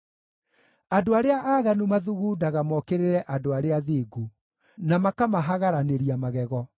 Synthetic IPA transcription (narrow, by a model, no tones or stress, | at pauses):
adoaɾeaʔaːɣanumaðuɣuːdaɣamɔkeɾeɾɛʔadoaɾeaðeːɡu | namakamaɦaɣaɾaneɾiamaɣɛɣɔ